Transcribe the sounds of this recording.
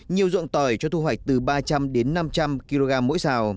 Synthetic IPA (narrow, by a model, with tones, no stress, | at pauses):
ɲi˨˩əwzṵ˧˨ŋt̪ɔː˨˩jt͡ɕɔ˧t̪ʰu˧hwa˨˩k̚t̪ɨ˨˩ɓaː˧t͡ɕa˧mɗe˨˦nːa˧mt͡ɕa˧mki˧lo˧ɣaː˧mːo̰˧˥jsaː˧˩w